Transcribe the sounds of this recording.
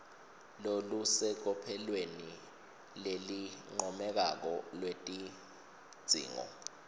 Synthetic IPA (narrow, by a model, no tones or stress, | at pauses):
lolusɛk̬ɔpʰɛlweni | leliŋ͡ǃɔmɛk̬ak̬ɔlwetʼi | d̥z̥ʱḭːŋɔ̰